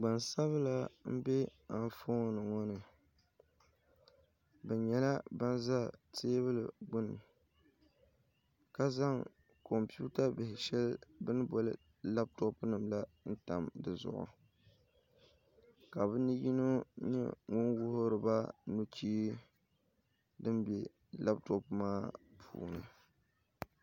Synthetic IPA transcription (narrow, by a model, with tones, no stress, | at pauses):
ɡ͡ba˨nsa˦βɨ˦la˦m̩˦bɛ˦a˨n˦fo˦nɨ˨ŋɔ˦nɨ˨ | bɛ˨ɲɛ˨la˦ba˦nza˦˨teː˦βɨ˦lɨ̰˨ɡ͡bʊ˦nːɨ˨ | ka˦za˦ŋ | ko˨mpi˦u˦ta˦bɪ˨hɪ˨ʃɛ˦lbɨ˦n˦bɔ˨lɨ̰˦ | la˦b̚tɔ˦pnɨ˨mla˦n̩˦ta˨mdɨ˨zʊ̰˨ʔʊ̰˨ | ka˨bɨ˦nɨ˦ji˦no˦ɲɛ̰˦ŋʊ˦nwʊ˦hʊ˦ɾɨ˨ba˦nu˦t͡ʃiː˦ | dɨ˦mbɛ˨ | la˦b̚tɔ˦pmaː˦pʰṵː˨nɨ̰˨